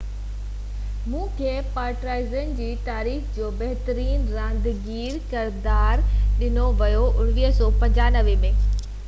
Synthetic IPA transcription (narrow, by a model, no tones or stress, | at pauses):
mũːkʰeːpaːɾʈɾaːɪzən̆d͡ʑiːt̪aːɾiːxd͡ʑoːbɐɦɪt̪əɾiːnɾãːnd̪ɡiːɾkɪɾd̪aːɾɗɪnoʋɐjoʔʊɽ̃ʋiːɦsɔːpɐ̃ɲd͡ʑaːnɐʋemẽː